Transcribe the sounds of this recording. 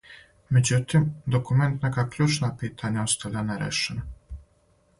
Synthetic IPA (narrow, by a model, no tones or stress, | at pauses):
mʲɛd͡ʑʲut̪ɘmd̪ɔkumɛnt̪nakaklʲut͡ʂnapʲɘt̪ʰaɲaɔst̪alʲanɛɾɛ̰ʂɛn